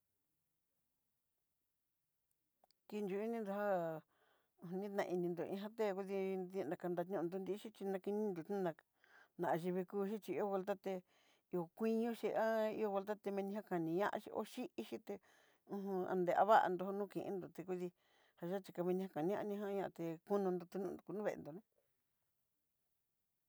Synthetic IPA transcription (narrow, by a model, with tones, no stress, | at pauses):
ki˧nd͡ʒu˧i˦nĩ˧nd̪o˧ha˦ | ũ˧˨˧nĩ˦t̪nã̰˧ʔi˧nĩ˧nd̪o˨ĩ˧ɦã˦t̪e˦˧ku˦ði˧ẽ˧nã˧ka˧nd̪a˧t̪ɲ˦ũ˦˧nd̪o˧nd̪i˧˦ʃi˦t͡ʃi˧nã˧ki˧nĩ˦nd̪o˨t̪ĩ˦nã˧ | nã˨ʔa˧ʒi˧βi˧kuː˧ʃ̬i˦t͡ʃi˧i˧˦o˦˧we˧lt̪̬a˦t̪e˧ | i˧o˨kʷi˦ɲõ˦ʃi˧ʔa˦ḭ˧o˧βe˧lt̪a˦t̪e˧mĩ˧nĩ˧ɦa˦kã˨nĩ˨˧ɲã̰˦ʔʃḭ˧ʔo̰˦ʃi˦ʔi˦ʃi˦t̪e˧ | ũ˧hũ˧ã̰˧nd̪e˧˨ʔa̰˧βa˦ʔa̰˧nd̪o˧ho˧nũ˦˧kĩ˨ʔḭ̃˧˦nd̪o˨t̪e˧ku˧ði˧ | ha˧ʒa˦t͡ʃi˧ka˧mĩ˧nĩ˧a˦kã˨nĩ˧˦ʔã˧nĩ˧ɦã˦˧ɲã˧ʔa˧t̪e˧ku˦nũ˧nd̪o˧t̪u˧nũ˧nu˨ku˧nũ˦βḛ˧ʔḛ˧nd̪o˨nẽ˦